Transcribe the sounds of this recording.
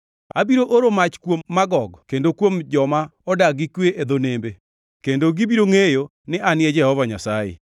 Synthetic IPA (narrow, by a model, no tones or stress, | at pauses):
a̰biɾoʔoɾomat͡ʃkwomːaɡɔɡkendokwomd͡ʒɔmaɔdaɡikweʔed̪onembe | kendoɡibiɾoŋejo | nɪʔanɪɛd͡ʒɛhɔvaɲasajḛ